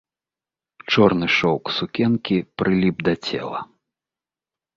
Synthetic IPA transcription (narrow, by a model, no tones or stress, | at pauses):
t͡ʂɔrnɨʂɔwksukʲɛnkʲipɾɨlʲibd̪ɐt͡sʲɛ̰lˠɐ̰